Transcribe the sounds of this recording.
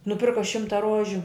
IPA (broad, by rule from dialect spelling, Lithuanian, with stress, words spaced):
nʊˈpʲɪrkɐ ˈʃʲɪmtɐ ˈroːʒʲʊ